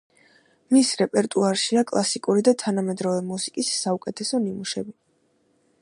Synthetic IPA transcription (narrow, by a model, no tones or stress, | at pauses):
misɾɛpʼɛɾt̪ʼuaɾʃiakʼlˠasikʼuɾid̪at̪ʰanamɛd̪ɾɔvɛmusi̥kʼisːaukʼɛt̪ʰɛsɔnimuʃɛbi